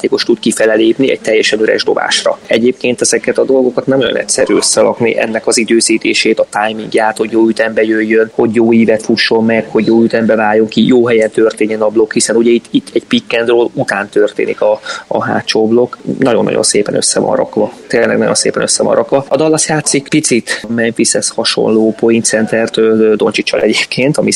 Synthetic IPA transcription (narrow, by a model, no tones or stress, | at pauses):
aːt̪eːko̞ʃt̪ut̪kifɛlɛleːpniɛ̰c̚t̪ɛjːɛʃɛnøɾɛ̰ʒd̪o̞̰ba̰ːʃrɒ̰ɛɟeːp̚keːnt̪ɛzɛkɛt̪ɒd̪o̞lɡo̞kɒt̪nɛmɒjɒ̰nɛ̰t̪sɛɾyːøsːɛlɒknḭʔɛ̰nːɛkɒzid̪øːziːt̪eːʃeːt̪ɒt̪ajmiŋɡjaːt̪ho̞ɟjoːyt̪ɛmbɛjøjːønho̞ɟjoːiːvɛt̪fuʃːo̞mːɛkho̞ɟjoːyt̪ɛmbɛvaːjjːoŋkijoːɦɛjɛnt̪ørt̪eːɲːɛnɒblo̞khisɛnuɟɛit̪ːit̪ːɛɟpikːɛnd̪roːlut̪aːnt̪ø̞rt̪ḛːnḭkɒːɦa̰ːt͡ʃoːblo̞knɒɟo̰nːɒ̰ɟo̰nseːpɛnø̰sːɛvɒ̰nrɒ̰kʋɒt̪eːnlɛ̰ɡnɒ̰ɟonsḛːpɛnøsːɛvɒ̰nrʔɒkʋɒɒd̪ɒlːɒsjaːt̪sikpit̪sit̪mɛnfisɛshɒʃo̞̰nloːpo̞jint̪sɛnt̪ɛrt̪øld̪o̞nt͡ʃit͡ʃːɒ̰lɛɟeːpkʰeːnt̪ɒmi